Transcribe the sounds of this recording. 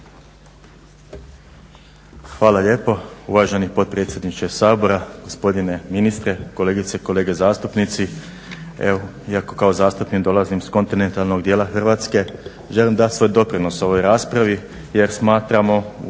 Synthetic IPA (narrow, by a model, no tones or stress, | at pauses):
xʋaːlaʎe̞ːpo̞ṵʋaʒe̞nipo̞t̪̚pɾet̪sʲjed̪nit͡ʃesaːbo̞ɾaɡ̥o̞spo̞d̪ine̞minist̪ɾe̞kole̞ːɡit̪seko̞le̞ːɡe̞zaːst̪upnit̪si | ḛo | iako̞kao̞zaːst̪upnikd̪o̞lˠazimsko̞nt̪inent̪alˠno̞ɡd̪jeːlˠaxr̩ʋaːt̪ske̞ | ʒe̞limd̪at̪ʲsʋo̞jd̪o̞pɾino̞so̞ʋo̞jɾaːspɾaʋi | je̞ɾsmaːt̪ɾamo̞